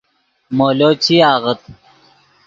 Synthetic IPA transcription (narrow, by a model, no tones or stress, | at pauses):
moːloːt͡ɕʰiaːɣət̪̚